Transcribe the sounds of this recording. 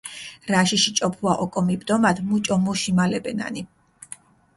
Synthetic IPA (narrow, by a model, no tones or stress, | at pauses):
ɾaʃiʃit͡ʃʼɔpʰuaʔɔkʼɔmibd̪ɔmad̪mut͡ʃʼɔmuʃimalɛbɛna̰ni